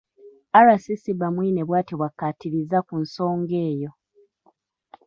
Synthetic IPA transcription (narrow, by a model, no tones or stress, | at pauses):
aɾasisiβamwiːneβwaːtiβwakːatiɾizakunso̞ːŋɡe̞ːjo̞